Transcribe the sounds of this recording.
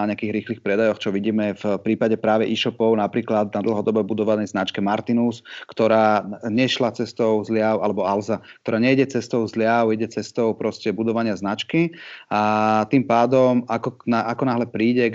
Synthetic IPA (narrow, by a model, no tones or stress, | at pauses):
aɲɛakiːɣɾiːxliːxpɾɛd̪ajɔxt͡ʃɔʋiɟiːmɛfpɾiːpaɟɛpɾaːʋɛʔiʃɔpɔʊnapɾiːklad̪nad̪l̩ɦɔd̪ɔbɔbud̪ɔʋanɛjznat͡ʃkɛmaɾt̪inuskt̪ɔɾaːɲɛʃlat͡sɛst̪ɔʊzlɪaʊʔalɛbɔalzakkt̪ɔɾaːɲɛɟɛt͡sɛst̪ɔʊzlɪaʊjɛɟɛt͡sɛst̪ɔʊpɾɔscɛbud̪ɔʋaɲɪaznat͡ʃkiat̪iːmpaːd̪ɔmakɔnaʔakɔnaɦlɛpɾiːɟɛ